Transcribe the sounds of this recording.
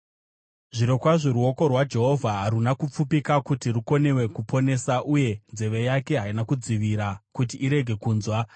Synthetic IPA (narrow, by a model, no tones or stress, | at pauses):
ʐiɾo̞kwaʐe̞ɾuo̞ko̞rwad͡ʒe̞ɦo̞vʱaɦaɾunakup͡fupikakutiruko̞ne̞we̞kupo̞ne̞saʔuje̞nze̞ʋe̞jake̞ɦainakud͡ziʋiɾakutiʔːɾe̞ɡʱe̞kuːnzwa